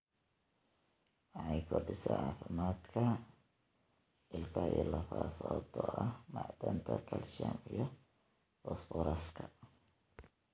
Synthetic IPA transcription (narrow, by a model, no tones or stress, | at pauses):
wɑħɑjkʰɔbɪsɛ̰ʕaːfɪmaːd̪kʰɐ | ɪlkʰɐilɐfaːsɔd̪ʰɔɐhmaʕd̪ɐnt̪ʰɐkʰɐlʃɐmijɔ | fɔsfɔɾɐskʰɐ